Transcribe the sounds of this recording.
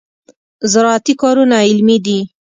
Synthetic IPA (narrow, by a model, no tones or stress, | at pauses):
zɪɾɑat̪ikɑɾunaɪlmid̪i